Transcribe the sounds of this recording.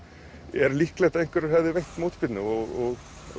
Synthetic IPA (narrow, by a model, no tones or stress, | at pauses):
ɛɾlihklɛjht̪aejŋ̥kvɛɾɛɾhɛvðɪvejht̪mowt̪spɪt̪nʏɔɣɔɣ